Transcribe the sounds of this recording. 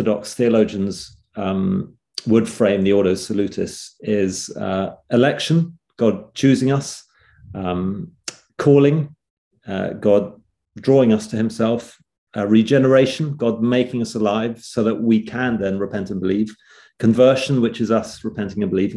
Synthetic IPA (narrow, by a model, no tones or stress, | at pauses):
ədɑ̰ksθiələʊd͡ʒɨ̃nz̥ | wəd̥fɹẽɪ̃mðiɔɾəʊ̥səlʉtʰɪ̰sɪz̥ʌɪlɛkʃə̃n | ɡ̥ɒd̚t͡ʃʰʉːzɪ̃ŋʌs | kʰɔːlˠɪ̃ŋ̰ | ɡɑd̚ | dɹɔɪ̃ŋʌstʰɨhɪ̃msɛlˠf | əɹid͡ʒɛnə˞eɪʃə̃n̩ɡɑd̚meɪkɪ̃ŋʌsəlaɪv̥səʊðəʔwikʰə̃nðɨ̃nɹɨpʰɛ̃ntnbəliv̥ | kʰə̃ɱvɜˑ˞ʃə̃nwɪt͡ʃɪzʌsɹɨpʰɛ̃ntɪ̃ŋɨ̃nbəlivɪ̃